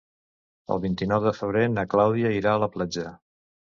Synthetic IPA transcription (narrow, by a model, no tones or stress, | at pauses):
ə̰lˠβint̪inɔwðəfəβ̞ɾenəklawðiəiɾaələplad͡ʒə